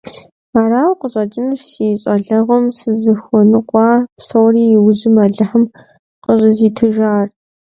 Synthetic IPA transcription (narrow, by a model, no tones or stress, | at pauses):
aːɾaːwqəɕʼɐd͡ʒʼɪmʃsiɕʼɐɮɐʁɐmsɨzɨxʷɔnɨqʷʼɑːpsɐwriːjɪwʊʑɪmɐɮɨħəm | qəɕʼɐziːtʰɨʒaːr